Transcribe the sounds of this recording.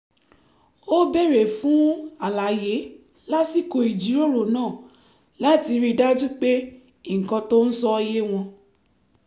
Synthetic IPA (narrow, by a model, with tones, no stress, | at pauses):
o˦be˦˨ɾe˨fũ˨˦a˨la˨˦je˨˦ | la˦si˦˨ko˧i˨d͡ʒi˨˦ɾo˦˨ɾo˨nãː˦˨ | la˦ti˧ɾi˧da˦d͡ʒu˦k͡pe˦˨ | ŋ̩˨kã˧to˦n̩˦sɔ˦je˦w̃ɔ̃˧